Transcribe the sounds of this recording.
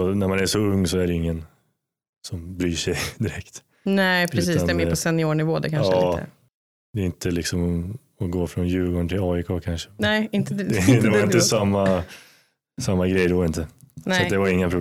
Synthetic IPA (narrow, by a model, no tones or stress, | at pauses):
ɔnæɾmanæʂɔɵŋːsɔæɖɛɪŋːən | sɔmbɾyːʂɛjd̪ɪɾɛkt̪ | nɛpʰɾɛs̬iːadnɛmepɔsɛnːɪoːɳɪvoːd̪ɛ̰kʰaɑ̰ː | d̪ɛɪnt̪ʰəlɪksɔmɔ | ɔɡoːfɾɔnjʉ̟ːɡoːɳʈʰɪlɑːɪkʰoːkʰanʂə̥nɛɪnt̪ɛd̪ɛvaɾɪnt̪ːəsamːa | samːaɡɾɛjd̪ɛɾɪnt̪əsatd̪ɛvaɾɪŋːapʰɾʊb